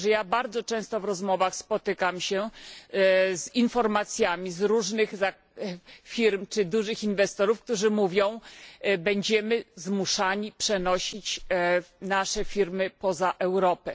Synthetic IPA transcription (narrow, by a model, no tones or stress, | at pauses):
ʐɛjabaɾd̪zɔt͡ʂɛ̃w̃st̪ɔvɾɔzmɔvaxspɔt̪ɘkamɕɛ | zinfɔɾmat̪sʲjamʲizɾuʐnɘxza | fʲiɾmt͡ʂɘd̪uʐɘxinvɛst̪ɔɾufk̚t̪uʐɘmuvʲjɔ̃w̃bɛɲd͡ʑɛmɘzmuʂaɲipʂɛnɔɕit͡ɕ | naʂɛfʲiɾmɘpɔzaʔɛwɾɔpɛ